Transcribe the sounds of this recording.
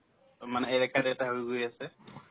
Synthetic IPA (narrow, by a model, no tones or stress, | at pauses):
manɛejɾɛkadɛtaɦojɡojasɛ